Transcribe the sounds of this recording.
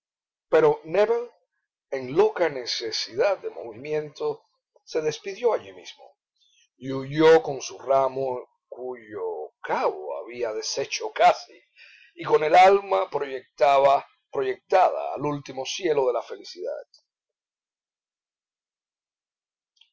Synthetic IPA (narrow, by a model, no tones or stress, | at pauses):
pe̞ɾo̞neβen | e̞ŋlo̞kane̞se̞siðad̪̚d̪e̞mo̞̰βimjẽ̞nt̪o̞ | se̞ðe̞spiðjo̞aʎimḭsmo̞̰ | iuʝo̞ko̞nsuramo | kuʝokaβo̰a̰βiaðe̞se̞t͡ʃo̞kasi | iko̞ne̞lalmapɾoʝek̚t̪aβa | pɾo̞ʝe̞k̚t̪aða̰ːlult̪imo̞sje̞lo̞ðe̞lafe̞lisiða̰d̪̥̚